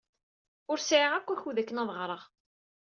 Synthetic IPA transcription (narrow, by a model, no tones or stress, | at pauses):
ʊɾsʕiʁækʷːæçuðækːənæðˤʁɾˤəʁ